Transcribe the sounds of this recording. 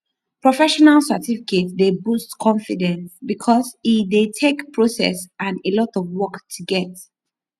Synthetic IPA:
pɹɔfɛʃɔnalsətifiketdebustkʰɔ̃nfidɛ̃nsbikʰɔsifdetʰekpʰɹosɛ̰sʔãnelɔtɔvwɔktʰuɡɛt

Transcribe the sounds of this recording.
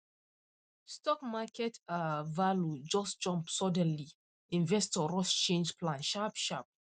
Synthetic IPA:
stɔkmakʰɛtavalud͡ʒɔsd͡ʒɔ̃mpsɔdɛ̃nli | ĩnvɛstɔɹɔst͡ʃẽnd͡ʒpʰlãnʃapʃap̚

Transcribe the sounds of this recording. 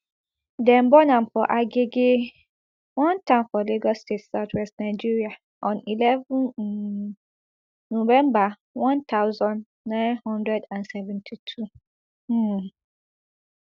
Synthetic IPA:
dɛ̃mbɔnãmfɔʔaɡeɡe | wɔ̃ntʰãmfɔleɡɔstetsaʊtʰwɛstnaɪd͡ʒiɹia | ʔɔ̃nilɛvũn | novɛ̃mba | wɔ̃nt̪ʰaʊzɔ̃n | nãɪ̃nhɔ̃ndɹɛdãnsɛvɛ̃ntʰitʰu

